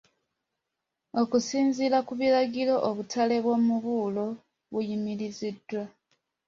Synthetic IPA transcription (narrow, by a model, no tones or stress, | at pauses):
o̞kusiːnzilakuβilaɡilo̞ʔoβutʰale̞βwomuβuːlo̞ | βujimilizidːwa